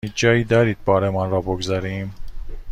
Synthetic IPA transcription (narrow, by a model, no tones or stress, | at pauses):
id͡ʒɒːjiːd̪ɒɾiːd̪̚bɒːɾemɒnɾɒːboɡzɑɾiːm